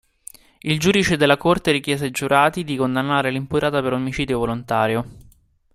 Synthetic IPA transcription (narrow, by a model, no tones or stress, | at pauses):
ild͡ʒuːd̪it͡ʃed̪elːakort̪eɾikjɛːzed͡ʒuɾʔaːt̪id̪ikond̪anːaːɾelimput̪ɾaːt̪apeɾomit͡ʃiːd̪jovolont̪aːɾjo